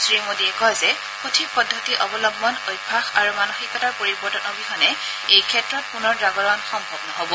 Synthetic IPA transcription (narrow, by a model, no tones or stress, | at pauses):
sɹimodiɛkɔjzɛ | xutʰipɔdʱːɔtiʔɔbɔlɔbmɔnojbʱaxaɹumanoxikɔtaɹpoɹibɔɹtɔnɔbixʰɔnɛ | ejkʰɛtɹɔt̚punɔɹdɹaɡɔɹɔnxɔmbʱɔb̚nɔɦobɔ